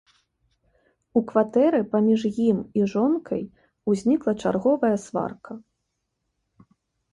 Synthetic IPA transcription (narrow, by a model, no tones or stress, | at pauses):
ukvat̪ɛɾɨpamʲiʐjimiʐɔnkʰɐj | uzʲnʲiklˠɐt͡ʂarɣɔvɐjɐsva̰rkʰɐ